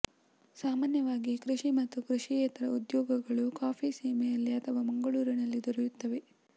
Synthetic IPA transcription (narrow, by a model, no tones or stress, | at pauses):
saːmaːnjɐʋaːɡikɾiʂimɐt̪ːukɾuʂijɛːt̪ɐɾɐud̪jɔːɡɐɡɐɭukaːpʰisiːmɛjɐlːiɐt̪ʰɐʋɐmɐŋɡɐɭuːɾinɐlːid̪ɔɾujut̪ːɐʋe̞